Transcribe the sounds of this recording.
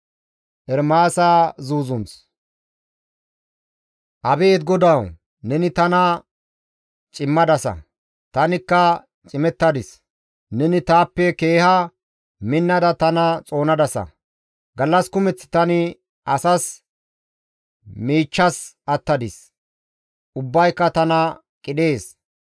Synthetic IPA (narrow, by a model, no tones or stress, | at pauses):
ʔɛɾmaːsaːzuːzʊns | ʔɐbe̞ːd̪ɡɔd̪ɐw | nɛnɪt̪ɐnɐ | t͡ʃʼɪmːɐd̪ɐsɐ̰ | t̪ɐnɪkːɐ | t͡ʃʼɪmɛt̪ːɐd̪ɪs | nɛnɪt̪aːpːɛke̞ːhɐ | mɪnːɐd̪ɐt̪ɐnɐt͡sʼo̞ːnɐd̪ɐsɐ̰ | ɡɐlːɐskʊmɛt͡sːɪ̥t̪ɐnɪ | ɐsɐs | miːt͡ʃːɐs | ɐt̪ːɐd̪ɪs | ʔʊbːɐjkːɐt̪ɐnɐ | kʼɪɗe̞ːs